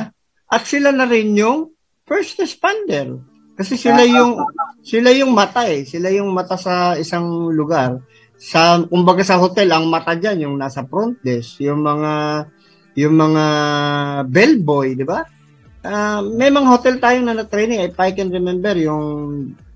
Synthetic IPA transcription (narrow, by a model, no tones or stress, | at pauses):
ʔɐt̪̚sɪlanɐɾɪnjʊŋ | fɛɹst̪ɛspand̪ɛɾ | kɐsɛsɪlajʊŋsɪlajʊŋmɐt̪aʔɛsɪlajʊŋmɐt̪asɐɪsaŋlʊɡaɾ | sɐkʊmbɐɡasɐhot̪ɛlɐŋmɐt̪ad͡ʒanjʊŋnasɐpɾont̪̚lɛsjʊŋmɐŋa | jʊŋmɐŋa | bɛlbo̞jd̪ɪba | ʔamɛjmɐŋahot̪ɛlt̪aːjonɐnɐt̪ɾɛjnɪŋɐjpajkɛnɾɛmɛmbɛɾjʊŋ